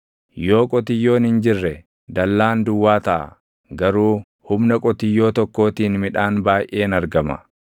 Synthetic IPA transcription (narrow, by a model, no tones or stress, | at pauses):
jo̞ːkʼɔt̪ɪjːo̞ːnɪnd͡ʒɪrːɛ | d̪ɐlːaːnd̪ʊwːaːt̪ɐʔɐ̰ | ɡɐɾuː | hʊmnɐkʼɔt̪ɪjːo̞ːt̪ɔkːo̞ːt̪iːnmɪᶑaːnbaːjʔe̞ːnɐɾɡɐmɐ̰